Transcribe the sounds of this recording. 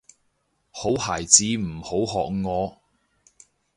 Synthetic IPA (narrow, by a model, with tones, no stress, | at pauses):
ho˨˥whaː˨˩jt͡siː˨˧m̩˨˩ho˨˥wɦɔ̰ː˨k̚ŋɔː˨˧